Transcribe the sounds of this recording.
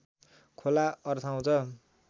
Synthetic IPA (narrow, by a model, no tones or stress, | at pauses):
kʰolaʌrt̪ʰaw̃t͡sʰʌ